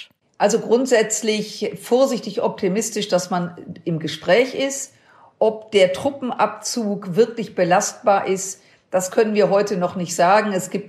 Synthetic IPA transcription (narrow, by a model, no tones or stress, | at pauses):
ʔalzoɡʁʊntz̥ɛt͡slɪçfoːɐzɪçtɪçʔɔp̚tʰimɪstɪʃd̥asmanʔɪmɡəʃpʁ̥ɛːçʔɪst | ʔɔp̚d̥eːɐtʁ̥ʊpm̩ʔap̚t͡suːkv̥ɪɐklɪçb̥əlast̚b̥aːɐʔɪst | d̥askʰœnənviːɐɦɔʏtənɔχnɪçtz̥aːɡŋ̩ɛsɡ̥iːp̚t